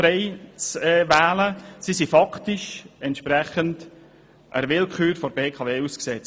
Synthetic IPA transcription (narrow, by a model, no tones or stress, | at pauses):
ɾɛɪt͡sɛːvæːləsisifɑktɪʃɛntʃpɾɛχənd | ʔə̰ɾʋɪlkχyːɾfɔɾbeːkʰɑveːusksɛt͡s